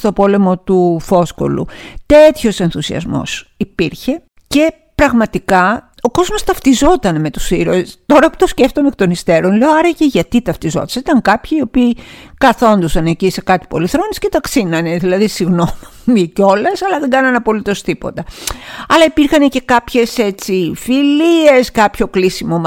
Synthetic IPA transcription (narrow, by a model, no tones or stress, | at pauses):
st̪o̞po̞le̞mo̞t̪ufo̞sko̞̰lṵt̪e̞t̪ço̞se̞nθusiɐ̰zmo̞̰sipiɾçe̞ | ce̞ | pɾɐɣmɐt̪ikɐ | o̞ko̞zmo̞st̪ɐft̪izo̞t̪ɐneme̞t̪u̥siɾost̪o̞ɾɐpu̥t̪o̞sceft̪omekt̪o̞nist̪e̞ɾo̞nleoɐɾɐceʝɐt̪it̪ɐft̪izo̞̰t̪ɐ̥sit̪ɐŋkɐpçiːo̞piːkɐθo̞nd̪osɐnecisekɐt̪i̥po̞̰liθɾo̞nisce̞t̪ɐksinɐne̞ðilɐðisiɣno̞m | mico̞lɐsɐlɐðeŋɡɐnɐnɐpo̞lit̪o̞st̪ipo̞̰t̪ɐɐlɐipiɾxɐne̞ce̞kɐpçe̞se̞t͡sifilie̞skɐpço̞klisimom